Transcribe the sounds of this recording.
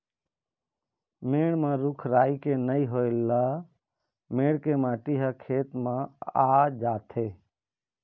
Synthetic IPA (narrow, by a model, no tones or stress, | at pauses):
meːɳmãːɾʊkʰɾaːiːkeːnəiɦoːelːaː | meːɽkeːmãːʈiːɦaːkʰeːt̪mãːaːd͡ʒaːt̪ʰeː